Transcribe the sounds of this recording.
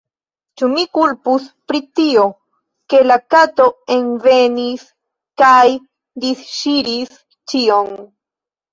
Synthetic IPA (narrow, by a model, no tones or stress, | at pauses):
t͡ʃumikulpuspɾit̪io | ke̞lakat̪o̞e̞nvenis | kaj | d̪isʃiɾis | t͡ʃion